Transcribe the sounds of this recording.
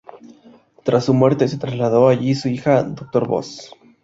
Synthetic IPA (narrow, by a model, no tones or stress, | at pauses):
t̪ɾasːumwe̞ɾt̪e̞s̬e̞t̪ɾazlaðo̞aʝisuixad̪o̞k̚t̪o̞ɾβo̰s